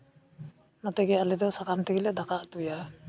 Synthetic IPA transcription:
nat̪ɛɡɛalɛd̪ɔsakant̪iɡilad̪akaʔt̪uja

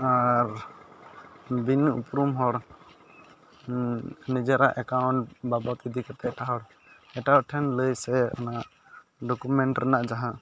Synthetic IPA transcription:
aɾ | binṵpɾumɦɔɽ | nid͡ʒɛɾaʔɛkawɳʈbabat̪id̪ikat̪ɛʈaɦɔɽ | ɛʈaɔʈʰɛnləjsɛanaʔ | ɖɔkumɛɳʈɾɛnaʔd͡ʒaɦa

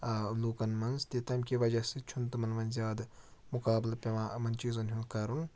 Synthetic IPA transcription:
luːkɐnmɐnzt̪it̪ɐmkʲibɐd͡ʒasit͡ʃʰunt̪umɐnmɐnzʲjaːd̪mukaːblpʲɐmaːmɐnt͡ʃizunɦʲunkɐɾun

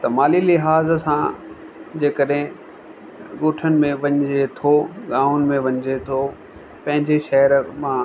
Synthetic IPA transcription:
t̪ɐmaːlilɪɦaːzsã | d͡ʑeːkəɗɦɪ̃ | ɠoːʈʰənɪ̆mẽʋɐ̃ɲd͡ʑet̪ʰoɠãːʊnɪ̆mẽʋɐ̃ɲd͡ʑet̪ʰo | pɐ̃ɦɪ̃ɲd͡ʑeʃɐɦəɾmã

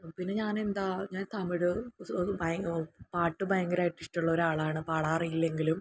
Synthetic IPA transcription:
pinːe̞ɲaːne̞nd̪aːɲaːnt̪ɐmiɽɨbɐjpaːʈːɨbɐjɐŋɡɐɾajʈːisʈːuɭːɐo̞ɾaːɭaːɳɨpaɽaːrijilːe̞ŋɡilum

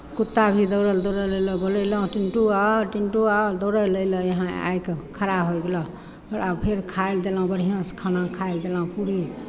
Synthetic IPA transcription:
kut̪ːabʱid̪əɾəld̪əɾəlejləbələjləɦũʈinʈuaʈinʈuad̪əɾələjləjəɦãa̰jkekʰəɾabɦoɡelɔ | t̪ɔɾabpʰeɾkʰald̪elaɦũbəɽ̤ʱijãskʰanakʰajld̪elaɦũpuɾi

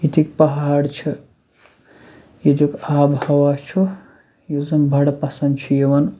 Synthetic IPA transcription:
it̪ʰikpɐɦaːɽt͡ʃʰɨ | jed͡ʒukaːbhɐwat͡ʃʰu | juzɐmbʱɐɽɐpɐsɐnd̪t͡ʃʰujeʋɐn

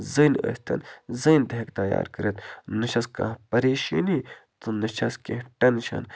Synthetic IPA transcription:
zənə̰sʲt̪ʰɐ̰nzɐnd̪ɐkt̪ɐja̰ːɾkəɾɐt̪nɨʃɐskã̰ːpɐɾeːʃḭnit̪unɐʃɐskeʈɐnʃɐ̰n

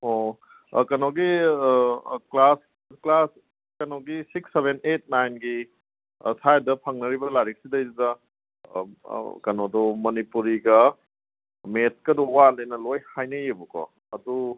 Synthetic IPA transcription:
o | kɐnɔwɡi | klas | klas | kɐnowɡisik̚seβenet̚najnɡi | sʰajdɐpʰɐŋnɐɾibɐlaɾik̚sidɐjzidɐ | kɐnodɔmɐnipuɾiɡɐ | met̚kɐdɔwalejnɐlojhajnɐjebukɔ̰ | ɐdu

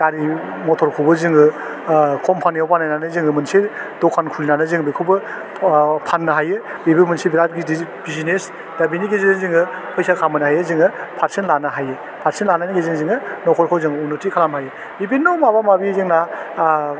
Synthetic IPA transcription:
ɡ̥aɾi | mɔtʰɔɾkʰubɯzɯŋɯ | kʰɔmpʰanijawpanːajnanɯzɯŋɯmɯnseɾdɔkʰankʰulinanɯzɯŋbekʰubɯ | pʰanːɯɦajɯibɯmɯnsibiɾat̚ɡidibizines | dabiniɡezenɯzɯŋɯ | pʰɯjsakʰamɯnɯɦajɯzɯŋɯpʰaɾsenlanɯɦajɯ | pʰaɾsenlananiɡezɯŋzɯŋɯnɔkʰɔɾkʰɔwzɯŋɯunɯtikʰalamɦajɯ | bibinːɔmabamabizɯŋna

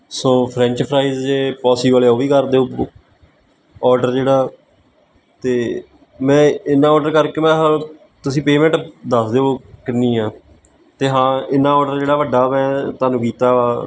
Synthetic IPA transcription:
sõːpʰɾɛ̃ːɲt͡ʃpʰɾaːizd͡ʒeːpɔːsiːbəleoːʋiːkəɾd̪eːoː | ɔːɾɖəɾd͡ʒeːɽaː | t̪eː | mɛ̃ːɪnːãːɔːɖəɾkəɾkeːmɛ̃ːɦãː | t̪ʊsĩːpeːmɛ̃ːɳʈd̪əsd̪eːɦoːkɪnːĩːaː | t̪eːɦãːɪnːãːɔːɖəɾd͡ʒeːɽaːʋəɖːaːmɛ̃ːt̪aːnũːkiːt̪aːaː

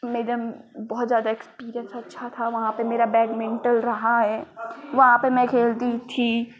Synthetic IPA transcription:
meːɾəmbɔːt̪zjaːd̪aekspiːɾijə̃nsɐtːʃʰat̪ʰaʋɐɦãpemeːɾabɛːɡmɛ̃ːɳʈəlɾɐɦaɦɛːʋɐɦãpemɛ̃kʰeːld̪it̪ʰi

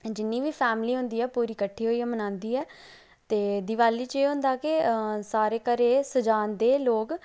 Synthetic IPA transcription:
d͡ʒɪnːĩːʋiːpʰɛːmliːɦʊ̃nd̪iːɛːpuːɾiːkəʈʰːiːɦoːiːɛːmənãːnd̪iːɛː | t̪eːd̪ɪʋaːliːt͡ʃeːɦʊ̃nd̪aːkɪsaːɾeːkəɾeːsəd͡ʒaːnd̪eːloːk

